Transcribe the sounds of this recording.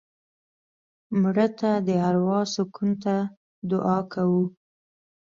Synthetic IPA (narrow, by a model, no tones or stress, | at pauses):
mɽət̪ad̪əaɾwɑsʊkunt̪a | d̪ʊʔɑkʰawu